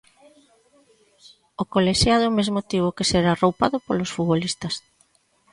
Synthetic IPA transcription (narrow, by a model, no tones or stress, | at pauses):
okoleʃjaðʊmezmot̪iβokeseɾarowpaðʊpolosfuβolist̪ɐs